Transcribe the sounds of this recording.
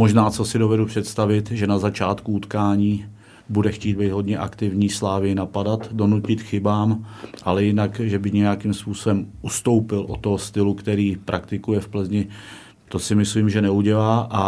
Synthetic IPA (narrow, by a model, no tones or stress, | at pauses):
moʒnaːt͡so̞sɪdo̞vɛdupr̝̥ɛt̪st̪avɪt̪ʒɛnazat͡ʃaːt̪kuut̪kaːɲiː | budɛxciːd̪bejd̪ɦo̞dɲɛʔa̰kt̪ɪvɲiːslaːvɪjɪnapadat̪do̞nucɪt̪xɪbaːmʔalɛjɪnakʒɛbɪɲɛjakimspuːso̞bɛmʔust̪o̞wpɪlʔo̰t̪ːoɦost̪ɪlukt̪ɛɾiːpɾʔakt̪ɪkujɛfpl̩zɲɪ | t̪o̞sɪmɪsliːmʒɛnɛuɟɛlaːʔa